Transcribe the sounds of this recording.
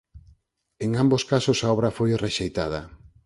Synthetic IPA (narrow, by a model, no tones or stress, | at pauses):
eŋamboskasosaɔβ̞ɾɐfojreʃejt̪að̞ɐ